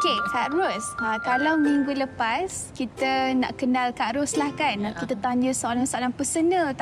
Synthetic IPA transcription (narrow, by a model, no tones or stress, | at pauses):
kekaʔɾʊsakalawmiŋɡuləpaskit̪əna̰ʔkənalkaʔɾʊslahkankit̪ət̪aɲə̃səalaŋsəalaŋpəsənə